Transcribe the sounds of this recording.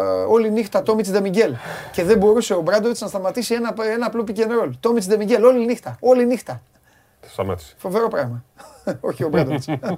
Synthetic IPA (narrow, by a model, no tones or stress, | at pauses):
o̞linixt̪ɐt̪o̞mit͡sd̪emiɟe̞lce̞ðe̞bo̞ɾuse̞o̞bɾɐd̪oɾt̪snɐst̪ɐmɐt̪isienɐenɐːplopice̞nɾo̞lt̪o̞mit͡sd̪emiɟe̞lo̞linixt̪ɐo̞linixt̪ɐ | e̥st̪ɐmɐt̪i̥sfo̞ve̞ɾo̞pɾɐɣmɐoçio̞bɾɐd̪ot̪s